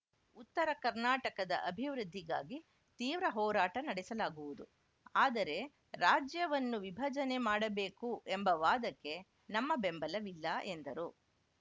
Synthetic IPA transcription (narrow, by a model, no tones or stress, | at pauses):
ut̪ːɐɾɐkɐɾnaːʈɐkɐd̪ɐʔɐbʱiʋɾud̪ʱːiɡa̰ːɡi | t̪iːʋɾɐɦɔːɾaːʈɐnɐɽɛsɐlaːɡuʋud̪u | aːd̪ɐɾe̞ | ɾaːd͡ʒjɐʋɐnːuʋibʱɐd͡ʒɐne̞maːɽɐbe̞ːkuʔembɐʋaːd̪ɐkːe̞ | nɐmːɐbe̞mbɐlɐʋilːɐʔend̪ɐɾu